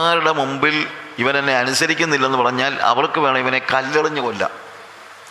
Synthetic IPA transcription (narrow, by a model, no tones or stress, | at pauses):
aːɾuɽe̞mumbiliʋɐnt̪ɐnːe̞ɐnusɐɾikʲːunːilːɐenːɨpɐrɐɲːaːlɐ̰ʋɐɭkːɨʋe̞ːɳɐmiʋɐne̞kɐlːeɭiɲːɨko̞lːɐ̰